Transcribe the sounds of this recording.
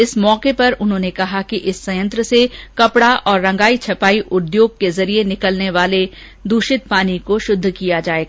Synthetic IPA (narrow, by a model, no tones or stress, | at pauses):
ɪsmɔːkepɐɾʊnɦõːnekɐɦakiʔɪsːɐjə̃nt̪ɾəsekɐpɽaʔɔːɾːɐ̃ŋɡaːit͡ʃʰɐpaːiʔʊd̪joːɡ̚kezɐɾienɪkəlneʋaːle | d̪uːʃɪt̪̚paːnikoʃʊd̪ʱːkijad͡ʒaːeːɡaː